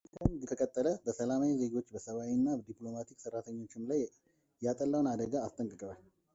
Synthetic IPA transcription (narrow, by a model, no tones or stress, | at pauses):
kʰənd͡ʒɛt̪ʰəkʼət̪ʼːələbəsəlamawize̞ɡo̞t͡ʃːbəsəβawinːabəd̪iplo̞mat̪ʰikʼsərːat̪ʰəɲːo̞t͡ʃːɪmlaj | jat̪ʼəlːəwnad̪əɡaːst̪ʼəŋkʼəkʼəβal